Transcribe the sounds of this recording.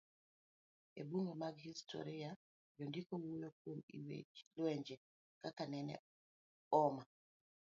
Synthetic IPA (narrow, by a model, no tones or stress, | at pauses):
ḛbuŋɡomaɡhistʰɔ̰ɾia | d͡ʒɔndikowujokwomḭwḛlwɛɲd͡ʒɛ | kakanɛnɛ̰ | ɔma